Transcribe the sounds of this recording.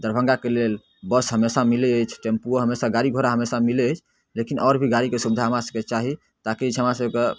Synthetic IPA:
d̪əɾbʱə̃ŋɡakelel | bəsɦəmesamileəjt͡ʃʰʈempuoɦəmesaɡaɾiɡʱoɾaɦəmesamileəjt͡ʃʰ | lekinʔɔɾbʱiɡaɾikesubd̪ʱaɦəmɾasəket͡ʃaɦi | t̪akit͡ʃʰɦəmɾasəbke

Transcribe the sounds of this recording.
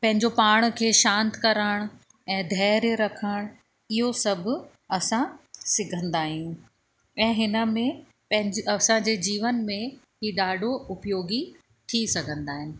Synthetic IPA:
pɐ̃ɦɪ̃ɲd͡ʑopaːɽ̃kʰeːʃãːnt̪kɐɾəɽ̃ | ɛ̃ːd̪ʱɛːɾɾɐkʰəɽ̃ | ɪɦosɐbʱʊ̆ | ɐsãsɪɡʱə̃nd̪aːɦĩũ | ɛ̃ːɦɪnə̆mẽ | pɐ̃ɦɪ̃ɲd͡ʑɐsãd͡ʑeːd͡ʑiːʋənmẽ | ɦiːɗaːɖʱoʊpjoːɡi | t̪ʰisɐɡʱə̃nd̪aːɦɪnɪ̆

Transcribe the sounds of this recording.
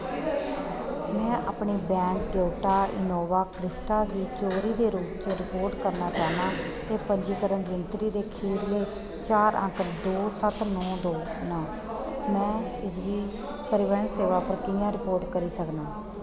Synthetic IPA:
mɛ̃ːʔa̰ːpɳiːbɛ̃ːŋk̚ɖeːʈaːʔɪ̰noːʋaːkɾɪsʈaːd̪iːt͡ʃoːɾiːd̪eːɾuːpt͡ʃəɾɪpoːɾʈkəɾnaːt͡ʃaːnaː | t̪eːpəɲd͡ʒiːkəɾənd͡ʒənt̪ɾiːd̪eːkʰiːɾleː | t͡ʃaːɾʔə̰̃kʰd̪oːsət̪nɔ̃ːd̪oːnaː | mɛ̃ːɪsʋiː | pəɾɪʋəɳseːʋaːpəɾkɪjãːɾɪpoːɾʈkəɾiːsəknaː

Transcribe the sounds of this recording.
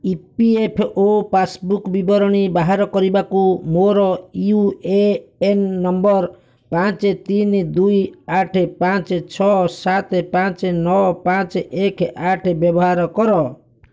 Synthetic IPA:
ipiepʰopasbukbibɔɾɔɽ̃ibaɦaɾɔkɔɾibakumoɾɔiueenːɔmbɔɾ | pãt͡ʃt̪ind̪ujaʈʰpãt͡ʃt͡ʃʰɔsat̪pãt͡ʃnɔpãt͡ʃekaʈʰbjɔbɔɦaɾɔkɔɾɔ

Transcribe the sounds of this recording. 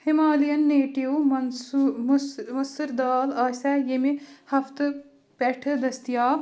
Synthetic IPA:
himaːlijɐnːeːʈiw | mɐsɨɾd̪aːlaːsʲajemihɐft̪ɨ | peʈʰɨd̪ɐst̪jaː

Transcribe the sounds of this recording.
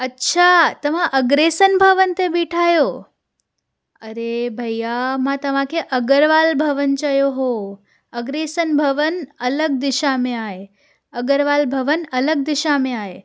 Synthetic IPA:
ətːʃʰat̪əʋãʔəɡɾesənbʱəʋənt̪ebiʈʰajo | əɾebʱəjamãt̪əʋãkʰeʔəɡəɾʋalbʱəʋənt͡ʃəjoɦo | əɡɾesənbʱəʋənələɡ̚d̪ɪʃamẽaj | əɡəɾʋalbʱəʋənələɡ̚d̪ɪʃamẽae

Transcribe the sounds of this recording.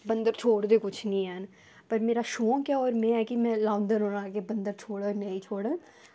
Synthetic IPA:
bənd̪əɾt͡ʃʰoːɽd̪eːkʊt͡ʃʰnĩːɛn | pəɾmeːɾaːʃoːkjaːɔːɾmɛ̃ːɛːkimɛ̃ːlãːnd̪ənɦoːnãːkebənd̪əɾt͡ʃʰoːɽənəːĩːt͡ʃʰoːɽə̃ː

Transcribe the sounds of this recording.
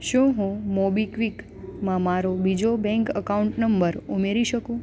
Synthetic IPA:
ʃũɦũmobikʋik | mãmaɾobid͡ʒobɛ̃ŋkəkauɳʈnəmbəɾumeɾiʃəkũ

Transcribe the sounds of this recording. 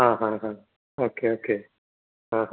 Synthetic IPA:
ɦãːɦãɦã | oːkeokeː | ɦãɦ

